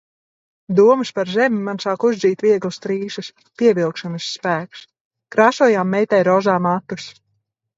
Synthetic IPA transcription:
d̪uɔmɨspaɾzɛmʲimansaːkuzd̪ziːt̪viɛɡlˠust̪ɾiːʃɨs | piɛvilˠkʃanɨsːpæːks | kɾaːsuɔːjaːmːɛjt̪ɛjɾɔzaːmat̪us

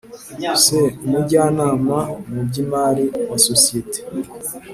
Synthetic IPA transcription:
semuɟaːnaːmamub̚ɟimaːɾiwasosiete̥

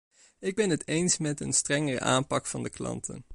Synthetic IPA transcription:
ɪɡ̚bɛnɦətejnsmɛtə̰nstrɛŋərə̰ʔa̰ːmpɑkfɑndəklɑ̰ntʰə̰n

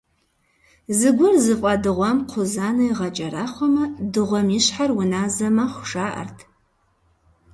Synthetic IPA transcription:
zɨɡʷʊrzɨfʼɐdɨʁʷɐmqʷʰʊzaːnɐjʁɐt͡ʃʼɐɾaːχʷɔmɐdɨʁʷɔmiɕħarwʊnaːzɐmɐχʷʊʂaːʔɐ̰rtʰ

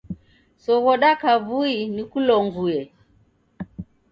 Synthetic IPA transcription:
sɔɣɔɗakaβuinikulɔŋɡuɛ

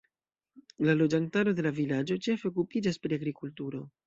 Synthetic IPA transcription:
lalo̞d͡ʒantaɾo̞de̞lavilad͡ʒo̞t͡ʃe̞fe̞ok̬upid͡ʒaspɾiaɡɾikultuɾo̞

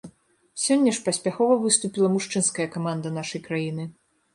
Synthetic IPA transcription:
sʲɔnʲːɐʂpɐsʲpʲaxɔvɐvɨst̪upʲilˠɐmuʂt͡ʂɨnskɐjɐkamand̪ɐnaʂɐjkɾajinɨ

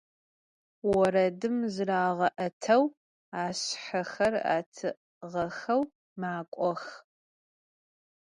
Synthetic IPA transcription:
wɔɾɐdɨmzɨraːʁɐʔɐtʰɐw | aːɕħɐxɐra̰ːtʰɨ | ʁɐxɐw | maːkʷʼɔx

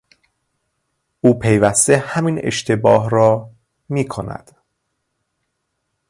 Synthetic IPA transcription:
ʔuːpʰe̞jvæst̪e̞hæmine̞̰ʃt̪ʰe̞bɒːɦɾɒː | miːkʰonæ̰d̪̥

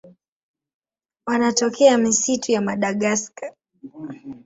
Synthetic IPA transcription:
wanatɔkʰɛamisitʰujamaɗaɠaskḁ

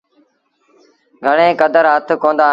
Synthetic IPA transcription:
ɡʱəɽẽːkəd̪əɾɦət̪ʰkõːnd̪aː

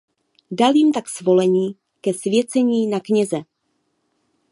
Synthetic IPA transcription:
daljɪmt̪aksvo̞lɛɲiː | kɛsvjɛt͡sɛɲiːnakɲɛzɛ

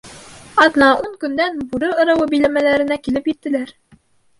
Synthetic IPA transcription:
ɑd̪nɑʔuŋkɵ̆nd̪ænbuɾɤŏɾɤ̆wɤbɘ̆jlæmælæɾɘ̆nækilɘpjɘ̆t̪ːɘ̆læɾ

